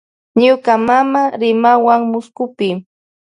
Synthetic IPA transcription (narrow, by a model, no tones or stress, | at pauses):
ɲʊkamamaɾɪmawaŋmʊskʊpɪ